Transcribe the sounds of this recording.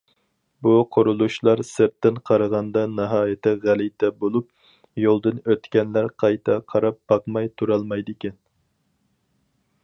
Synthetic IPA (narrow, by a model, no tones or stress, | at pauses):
buqʰoɾulˠuʃlˠɑɾsɪɾt̪ːɪnqʰɑɾəʁɑnd̪ɑnɨɦɑːjɪt̪ʰɪʁælijt̪ʰɛbolˠup̚ | jolˠd̪ɨnøt̪kʲɛnlæɾqʰɑjt̪ʰɑqʰɑɾɑp̚b̥ɑqmɑjt̪ʰuɾɑlˠmɑjd̪ɪkʲɛn